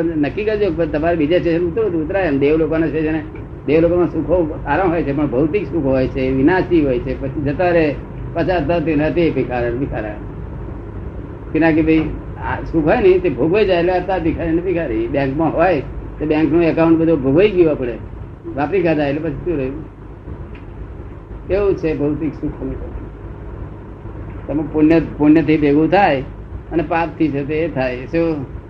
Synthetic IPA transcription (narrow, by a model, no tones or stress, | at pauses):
pənnəkːikəd͡ʒokət̪əmaɾebid͡ʒasʈeʃənut̪bəd̪ʱuːt̪ɾaəmd̪eʋlokonasʈeʃəne | d̪eʋlokomãsukʰɦoaɾəmɦɔjt͡ʃʰepəɳbʱəʋt̪iksukʰɦɔjt͡ʃʰeʋɪnasiɦojt͡ʃʰepət͡ʃʰid͡ʒət̪aɾe | pət͡ʃaɾt̪at̪enət̪epikʰaɾenbikʰaɾa̰ | kinãk̬ebʱəi | asukʰɦɔjnəĩt̪ebʱoɡʱʋojd͡ʒajleapt̪apikʰaɾinəpikʰaɾibjɛ̃ŋkmãɦojt̪objɛ̃ŋknoəkaʊ̃ɳʈ̚bəd̪ʱobʱoɡəiɡiʋãpəɽe | ʋapikʰad͡ʒajlepət͡ʃʰit̪ũɾəu | eũt͡ʃʰebʱəʊt̪iksukʰəmikəi | t̪əmepʊnjəpʊnjət̪ʰibeɡʱũt̪ʰaj | ənepap̚t̪ʰit͡ʃʰet̪̬et̪ʰajse